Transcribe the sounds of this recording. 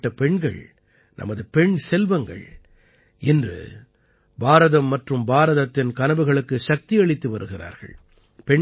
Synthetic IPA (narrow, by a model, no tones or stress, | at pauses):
ʈːɐpɛɳɡɐ̰ɭ | nʔɐ̰mɐðɯpɛɳsɛlʋɐŋɡɐ̰ɭ | ɛndrɯ̰ | baːɾɐðɐmːɐʈrɯmbaːɾɐðɐt̪ːɪnkɐnɐbɯɣɐɭɯkːɯʃɐk̚t̪ɪɐɭɪt̪ːɯʋɐɾɯɣɪra̰ːɾɣɐ̰ɭ | pɛɳ